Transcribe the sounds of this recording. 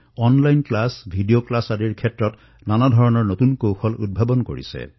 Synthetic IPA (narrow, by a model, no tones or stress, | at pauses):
ɔnlajnklasbʱidioklasadiɹkʰɛtɹɔt | nanadʱɔɹɔnɔɹnotunkowxɔlṵd̚bʱabɔnko̰ɹḭsɛ̰